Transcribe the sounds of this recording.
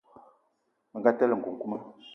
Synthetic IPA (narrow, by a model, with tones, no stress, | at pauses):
mə˨ŋɡa˦tɛ˦lə˨ŋ̩˨ku˨ŋ̩˨ku˦ma˦